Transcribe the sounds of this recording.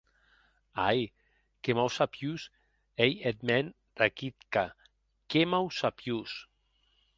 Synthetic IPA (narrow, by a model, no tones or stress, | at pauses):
aj | kemawsapjus | ejet̪mɛn | rakit̪ka | kemawsapjus